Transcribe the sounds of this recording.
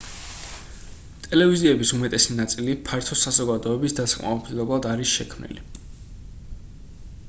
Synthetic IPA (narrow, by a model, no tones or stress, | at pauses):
t̪ʼɛlɛviziɛbisumɛt̪ʼɛsinat̪sʼilipʰaɾt̪ʰɔsazɔɡad̪ɔɛbisd̪at̪sḁkʼma̰mɔp̪ʰid̪ɛblˠad̪aɾisʃɛkʰmnḭlḭ